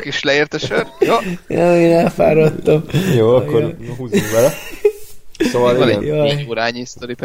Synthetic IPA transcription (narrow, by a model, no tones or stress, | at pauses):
keʃlɛeːrt̪ɛʃørjoːjoeːnɛlfa̰ːɾot̪ːɒmjoːɑkːoɾɦuːzuŋkbɛlɛ | ssovɑlinɛjooːɾaːɲist̪oɾip